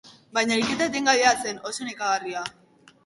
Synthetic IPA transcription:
bajɲaiket̪et̪eŋɡaβease̞no̞sonekaɣaria

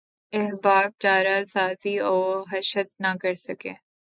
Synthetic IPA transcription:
ɛɦbaːb̚t͡ʃaːɾasaːziɔːɦɐʃət̪̚nɐkɐɾsɐkḛ̃ː

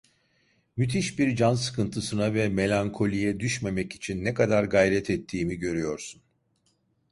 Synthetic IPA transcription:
myt̪ʰiʃbiɾd͡ʒansɯ̥kʰɯnt̪ʰɯsɯnavɛme̞lʲaŋkʰo̞lʲijɛd̪yʃme̞mɛci̥t͡ʃʰinːɛkad̪aɾɡajɾɛt̪ʰɛt̪ʰːiːmiɟø̞ɾyjo̞ɾsun

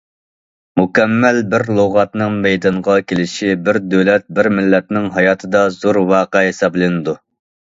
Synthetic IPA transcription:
mukʲɛmːɛlbɪɾlˠoʁɑt̪nɨŋmɛjd̪ɑɴʁɑkʲʰelɪʃibɪɾd̪øwlɛt̪̚bɪɾmɪlːɛt̪nɪŋɦɑjɑːt̪ʰɨd̪ɑzoɾwɑːqəɦesɑblˠɪnɪd̪u

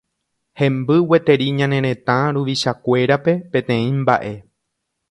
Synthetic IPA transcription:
hẽ̞mbɨwe̞t̪e̞ɾiɲãnẽ̞ɾẽ̞t̪ãɾuʋiʃakʷe̞ɾape̞pẽ̞t̪ẽ̞ĩmba̰ʔe̞

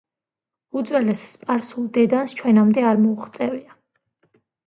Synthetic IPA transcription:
ud̪zwɛlɛsspʼaɾsulˠd̪ɛd̪anst͡ʃʰwɛnamd̪ɛaɾmɔuχt̪sʼɛvia

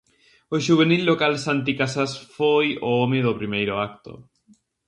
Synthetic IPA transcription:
oʃuβ̞enilːokalsant̪ikasasfojoomeðopɾimejɾoakt̪o̰

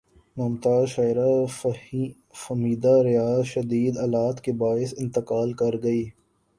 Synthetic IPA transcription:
mɐmt̪aːʃaːɪɾa | fɐmiːd̪aɾɪjaːzʃɐd̪iːd̪ɐlaːt̪kebaːɪsɪ̃nt̪ɪqaːlkɐɾɡɐiː

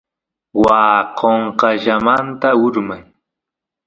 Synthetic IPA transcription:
waːqʰoɴqɑʒamant̪aʊɾmaj

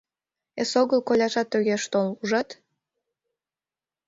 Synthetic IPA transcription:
esoɣəlkolʲɑʒɑt̪ːøɣeʃt̪oluʒɑt̪

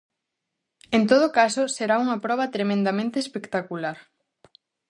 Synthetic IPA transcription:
ent̪oð̞okasoseɾauŋɐpɾɔβ̞ɐt̪ɾemẽnd̪amẽnt̪eːspekt̪akulaɾ

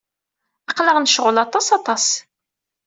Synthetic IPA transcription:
ɑqləʁnʃʁəlɑt̪ˤɑsɑt̪ˤɑs

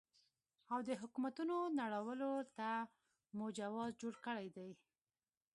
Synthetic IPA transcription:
awd̪əɦʊkumat̪unonaɽawəlot̪a | mod͡ʒawɑzd͡ʒoɽkəɽajd̪aj

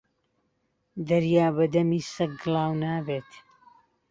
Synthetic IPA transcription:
d̪ɐɾjaːbɐd̪ɐmiːsɐk̚ɡɨlˠaːwnaːbeːt̪

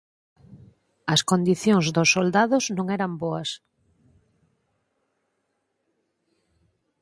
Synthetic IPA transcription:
ɐskond̪iθjoŋzd̪osːold̪aðʊznõŋɛɾɐmboɐs

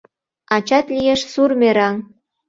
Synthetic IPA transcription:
ɑt͡ɕɑt̪lijeʃsurmeɾɑŋ

